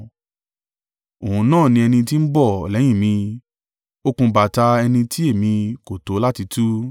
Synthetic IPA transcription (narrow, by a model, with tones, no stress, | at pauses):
o˨hũ˧nãː˦˨nĩ˧ɛ˧nĩ˧t̬i˦n̩˦bɔ˦˨lɛ̃˨˦ĩ˦˨mĩ˧ | o˦kũ˧ba˨ta˧ɛ˧nĩ˧ti˦e˦˨mĩ˧ko˨to˨˦la˦ti˧tʰu˦